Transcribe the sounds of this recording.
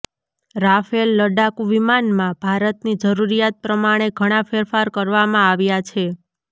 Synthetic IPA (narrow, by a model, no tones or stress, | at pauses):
ɾafelːəɖakuʋimanmãbʱaɾət̪nid͡ʒəɾuɾijat̪̚pɾəmaɽ̃eɡʱəɽ̃ãfeɾfaɾkəɾʋamãaʋjat͡ʃʰe